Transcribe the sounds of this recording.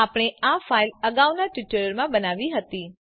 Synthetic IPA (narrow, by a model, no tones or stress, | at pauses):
apəɽ̃eafailəɡaʋnaʈʋɪʈəɭəɾmãbənaʋiɦət̪i